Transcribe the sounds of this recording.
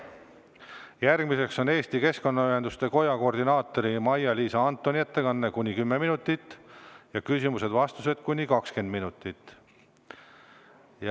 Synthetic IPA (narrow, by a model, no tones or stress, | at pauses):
jærɡ̥mise̞kso̞ne̞ːst̪ike̞sko̞nːɑyɦe̞nd̪̥ust̪e̞ko̞jɑko̞rd̪inɑːt̪ːˑo̞ɾimɑjɑliːsɑɑnt̪ːˑonʲie̞t̪ːe̞kɑnːe̞kunʲikymːe̞minut̪ʲːˑit̪ːjɑkysʲimuse̞d̪vɑst̪use̞d̪̥kunʲikɑkske̞nd̪minut̪ːˑit̪ːˑ | j